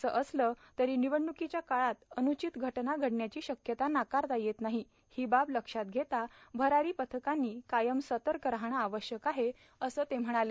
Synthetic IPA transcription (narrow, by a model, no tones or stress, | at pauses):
əsə̰ʔəslə | t̪əɾiːniʋəɳːukit͡ɕjakaɭat̪ənut͡ɕit̪ɡʱəʈnaɡʱəɽnjat͡ɕiːɕəkjət̪anakaɾt̪ajet̪naɦi | hibabləkʂat̪̚ɡʱet̪abʱəɾaɾiːpət̪ʰəkanːiːkajəmsət̪əɾkəɾɦaɽ̃aːʋəɕjəkaɦe | əsəːt̪em̤əɽ̃ale